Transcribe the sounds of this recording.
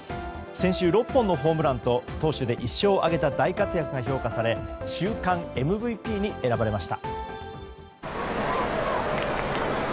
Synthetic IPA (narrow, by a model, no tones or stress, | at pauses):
sẽ̞ɰ̃ɕɨːɾo̞pːõnːo̞ɦo̞ːmɯ̟ɾãnt̪o̞t̪o̞ːɕɨd̪e̞ʔiɕːo̞ːʔaɡe̞t̪ad̪aikat͡sɨjakɯ̟ɡaço̞ːkasaɾe̞ɕɨːkãŋe̞mɯ̟bɯ̟ipʲiːɲ̟ie̞ɾabaɾe̞maɕi̥t̪a̰